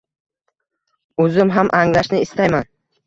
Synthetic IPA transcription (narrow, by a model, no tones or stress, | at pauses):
ɵzɪmɦamʔaŋlaʃnɪɪst̪ajman